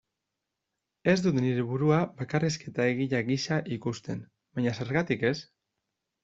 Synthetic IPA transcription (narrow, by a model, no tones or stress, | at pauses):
e̞zd̪ut̪niɾe̞βuɾuabakariske̞t̪ae̞ɣ̞iʎaɣiʃaʔikust̪e̞n | baɲase̞ɾɣat̪ike̞s